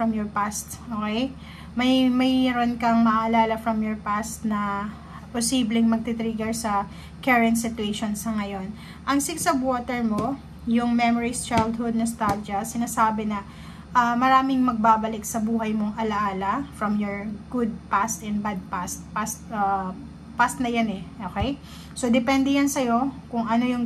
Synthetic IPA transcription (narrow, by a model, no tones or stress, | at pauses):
fɹɐmjɔɹpast̪ʔoːkɛj | mɐjmɐjɛɾonkɐŋmɐʔʔɐlaːlɐfɾɐmjɔɹpast̪nɐ | posiːblɪŋmɐɡ̚t̪it̪ɾiɡɛɹsɐ | kɛɹɛnt̪̚sɪt̪ʊeʃonsɐŋɐjo̞n | ʔɐŋsɪksɐbwoːt̪ɛɹmo̞ | jʊŋmɛmoɹist͡ʃajld̪hʊd̪nɐst̪ad͡ʒɐsɪnaːsaːbɛnɐ | ʔɐmɐɾaːmɪŋmɐɡ̚baːbɐlɪksɐbuːhɐjmoŋʔɐlɐʔaːlɐfɹɐmjoɹɡ̥ʊd̪̚past̪ɛnbad̪̚past̪̚past̪̚ɐ | past̪nɐjanɛʔoːkɛj | so̞d̪ɛpɛnd̪ɛjansɐjo̞kʊŋʔɐno̞jʊŋ